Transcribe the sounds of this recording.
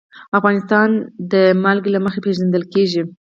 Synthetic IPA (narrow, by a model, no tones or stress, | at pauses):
afɣɑnɪst̪ɑnd̪əmalɡlaməxepeʒand̪əlkeʒi